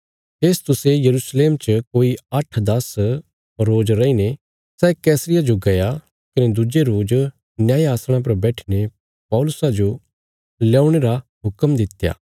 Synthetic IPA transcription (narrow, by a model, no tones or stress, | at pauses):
pʰeːst̪ʊsejɐɾusleːmt͡ʃəkoːiɐʈʰd̪ɐs | ɾoːd͡ʒɾɐine | sɛːkɛːsɾɪjad͡ʒoɡɐja | kɪned̪ʊd͡ʒeɾoːd͡ʒ | njaːiaːsɽ̃ãp̬ɐɾbɛːʈʰi̥ne | pɐːʊlʊsad͡ʒo | lɛːʊɽ̃eɾaɦʊkəmd̪ɪt̪ja̰ː